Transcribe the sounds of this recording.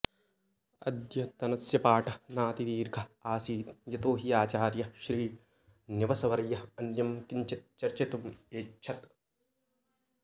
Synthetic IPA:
ɐ̰d̪jɐt̪ɐnɐsjɐpaːʈɐnaːt̪id̪iːɾɡʱɐaːsiːt̪jɐt̪oːɦijaːt͡ʃaːɾjɐʃɾiː | niʋɐsɐʋɐɾɐjɐɐnjɐmkiɲt͡ʃɐt̪̚t͡ʃɐɾt͡ʃet̪umeːt͡ʃʰɐt̪

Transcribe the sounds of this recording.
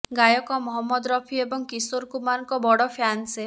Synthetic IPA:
ɡajɔkɔmɔɦɔmːɔd̪ɾɔpʰiebɔŋkisoɾkumanɔŋkɔbɔɽɔpʰjanse

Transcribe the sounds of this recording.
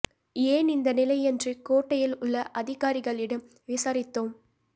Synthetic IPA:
eːnɪnd̪ɐnɪlɐɪɛndrɯkoːʈːɐjɪlʊɭːɐʔɐðɪɣaːɾɪɣɐɭɪɽɐm | ʋɪsaːɾɪt̪ːoːm

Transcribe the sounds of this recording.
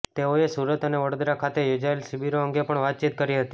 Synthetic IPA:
t̪eoesuɾət̪əneʋəɽod̪ɾakʰat̪ejod͡ʒaelsibiɾoəŋɡepəɳʋat̪̚t͡ʃit̪̚kəɾiɦət̪i

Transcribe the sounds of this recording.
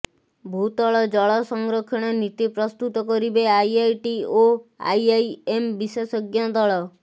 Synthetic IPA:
bʱut̪ɔɭɔd͡ʒɔɭɔsɔŋɡɾɔkʰɔɽ̃ɔnit̪ipɾɔst̪ut̪ɔkɔɾibeajajʈioa̰jajembisesɔɡjad̪ɔɭɔ

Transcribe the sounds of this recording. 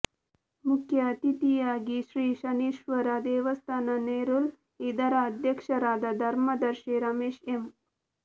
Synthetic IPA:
mukʰjat̪it̪ijaɡiʃɾiːʃɐniʃʋəɾad̪eːʋəst̪ʰananeɾul | id̪aɾaəd̪ʱjəkʂɐɾaːd̪ad̪ʱɐɾmɐd̪ɐɾʃeɾameːʃem

